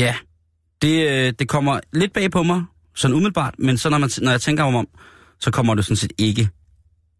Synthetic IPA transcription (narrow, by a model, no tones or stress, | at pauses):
jæ | d̥e̝d̥e̝kʰɒ̽m̰ɐle̝d̥̚b̥ɛ̰ːpʰɒ̽mɑ̈ɪ | sɒ̽numiðˠl̩b̥ɑ̰̈ːd̥mensɒ̽nɒmænnɒjɑ̈ɪt͡sʰeŋ̰ɡ̥ɐɒmɒ̽m̰ | sɒ̽kʰɒ̽m̰ɐd̥e̝sɒ̽nsḛːd̥e̝ɡ̥ə